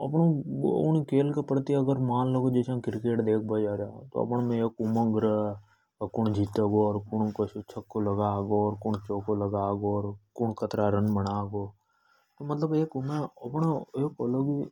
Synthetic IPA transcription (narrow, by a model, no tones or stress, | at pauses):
ɐpɳõ̰ʊ̰nkeːlkepəɽt̪iɐɡəɾmaːnləɡod͡ʒeːsãkɪɾkeːʈd̪eːkʰbəd͡ʒaːɾat̪o̰ɐ̰pɳmẽeːkʊmə̃ŋɡɾə | kʊɳd͡ʒʱiːt̪eɡoɔːɾkʊɳkəʃt͡ʃʰəkːoləɡaːɡoɔːɾkʊɳt͡ʃoːkoləɡaːɡoːɾkʊɳkət̪ɾaɾənbəɽaːɡoː | t̪omət̪ləbeːkmẽɐpɳaeːkoloɡi